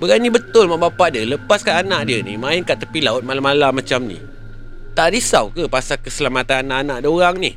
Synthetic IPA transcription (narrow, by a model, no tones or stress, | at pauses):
bəɣajnĩbət̪ʊlmaʔbapaʔdiələpaskaʔanãʔdiənḭmãɪnkaʔt̪əpilaʊt̪̚malamalamãt͡ʃamnḭ̃ | t̪aʔɾisawkəpasakəsəlamat̪ananaʔanaʔdoɾaŋni